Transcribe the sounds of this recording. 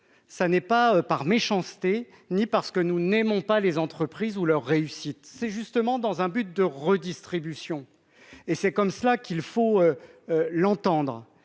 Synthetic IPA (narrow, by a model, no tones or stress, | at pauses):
sanɛpaøpaʁmeʃɑ̃st̪e | nipaʁsə̥kənunemɔ̃palezɑ̃t̪χəpχizulœʁːeysit̪sɛʒyst̪əmɑ̃d̪ɑ̃zɛ̃byt̪̚d̪əʁəd̪ist̪χibysjɔ̃ | esɛkɔmsəlakʲilfoølɑ̃t̪ɑ̃d̪ʁ